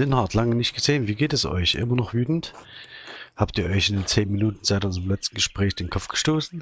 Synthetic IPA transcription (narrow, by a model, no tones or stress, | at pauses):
zɪnhaːtʰlaŋənɪçt̚ɡ̥əzeːənviːɡeːtɛsʔɔ̰ʏçʔɪ̰mɐnɔχv̥yːtn̩t | haːptiːɐʔɔʏçɪndeːnt͡seːnminuːtn̩z̥aɪtʔʊnzəʁəmlɛt͡stn̩ɡəʃpʁ̥ɛːçd̥eːnkʰɔpp͡fɡ̥ə̥ʃtoːsn̩